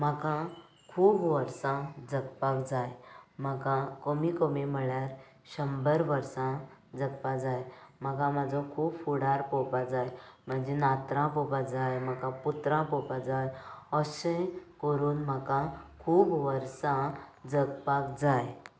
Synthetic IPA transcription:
m̤əkã | kʰuːbʋəɾsãd͡zəkpakd͡zajm̤əkãkomikomiməɭjaɾ | ɕəmbəɾʋəɾsãd͡zəkpad͡zajm̤əkãmad͡zʱɔkʰuːbfuɽaɾpopad͡zajm̤əɳd͡zenat̪ɾãpɔpad͡zajm̤əkãput̪ɾãpɔpad͡zajəsẽkəɾuːnməkãkʰuːbʋəɾsãd͡zəkpakd͡zaj

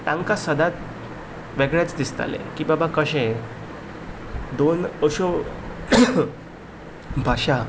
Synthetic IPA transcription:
t̪ãŋkasəd̪at̪̚ | ʋeɡɭat͡sd̪ist̪a̰lḛ̃kĩbabakəɕẽ | d̪onəɕo | bʱaɕa

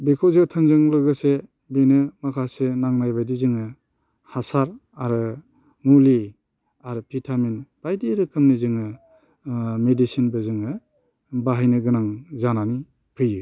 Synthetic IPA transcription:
bikʰozɯtʰɯnzɯŋlɯɡɯse | benɯmakʰasenaŋnajbajdizɯŋɯ | hasaɾaɾɯ | muli | aɾɯpʰitʰaminb̥ajdiɾɯkʰɯmnizɯŋɯ | medisinbɯzɯŋɯ | baɦajnɯɡɯnaŋzanani | pʰɯjɯ

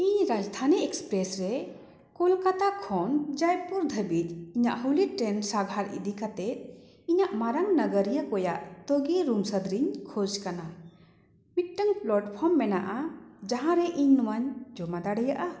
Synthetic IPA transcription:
iɲɾad͡ʒd̪ʱaniɛkspɾɛsɾɛ | kɔlkat̪akʰɔnd͡ʒajpuɾd̪ʱəbit̪̚iɲaʔɦuliʈɾɛnsabʱaɾḭd̪ikat̪ɛt̪̚ˀ | iɲaʔmaɾaŋnəɡəɾijakɔjaʔt̪oɡeɾumsəd̪ɾiɲkʰod͡ʒkana | biʈəŋplɔʈpʰɔmːɛnaʔad͡ʒaɦãɾɛʔiɲnumaɲd͡ʒɔmad̪aɽɛjaʔa

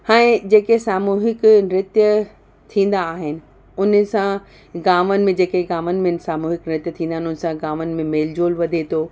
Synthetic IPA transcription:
hãːẽd͡ʑeːkesaːmuːɦɪknɾɪt̪jə | t̪ʰĩːn̆d̪aːɦɪnɪ̆ | ʊn̆sã | ɡaːmənɪ̆mẽd͡ʑeːkeɡaːmənɪ̆mẽnsaːmuːɦɪknɾɪt̪jət̪ʰĩːnd̪aːɦɪnʊnɪ̆sãɡaːmənɪ̆mẽmeːld͡ʑoːlʋɐd̪ʱet̪ʰoː

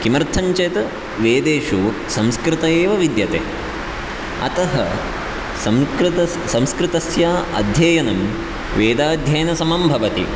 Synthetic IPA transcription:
kimɐɾt̪ʰɐɲt͡ʃɐt̪ɐ | ʋeːd̪eːʂu | sɐmskɾɪt̪ɐeːʋɐʋid̪jɐt̪ḛː | ɐ̰t̪ɐɦɐ | ɐmɾɐ | sɐmskɾɪt̪ɐsjaːɐ̰d̪ʱjɐːjɐnɐm | ʋeːd̪aːd̪ʱjɐjnɐsɐmɐmbʱɐʋɐt̪ḭ

